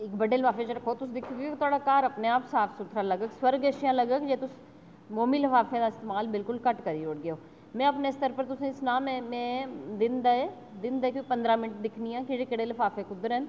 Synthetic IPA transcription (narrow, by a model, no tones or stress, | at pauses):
ɪkbəɖeːlpaːfeːt͡ʃɾəkʰːoːt̪ʊsd̪ɪkʰːeɡekt̪ʊaːɽaːkaːɾəpneaːpsaːpʰsʊt̪ʰɾaːləɡəkswəɾɡeːʃjãːləɡəkd͡ʒeːt̪ʊs | moːmiːləfaːfʰẽd̪aːɪst̪eːmaːlbɪlkʊlkəʈkəɾiːoːɽɡɪjoː | mɛ̃ːəpneːɪst̪əɾpəɾt̪ʊsĩːɪsnaːmɛ̃ːmɛ̃ːd̪ɪnd̪aeː | d̪ɪnd̪aeːkipənd̪ɾaːmɪnəʈ̚d̪ɪkʰniːãːkɪɽeːkɪɽeːləfʰaːfʰeːkʊd̪əɾɦɛn